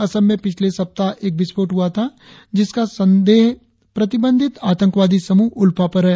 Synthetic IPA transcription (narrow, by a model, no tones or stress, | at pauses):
ɐsəlmẽpɪt͡ʃʰlesɐp̚t̪aʔeːk̚bɪspoːʈɦʊat̪ʰa | d͡ʒɪskasɐ̃nd̪eːɦ | pɾɐt̪ɪbə̃nd̪ʱɪt̪aːt̪ə̃ŋkʋaːd̪isɐmuːɦʊlpapɐɾɦɛː